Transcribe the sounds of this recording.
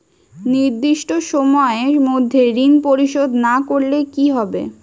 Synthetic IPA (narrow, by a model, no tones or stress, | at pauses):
niɾd̪iʃʈoʃɔmɔeemod̪ʱːeɾinpoɾiʃod̪nakoɾlekiɦɔbḛ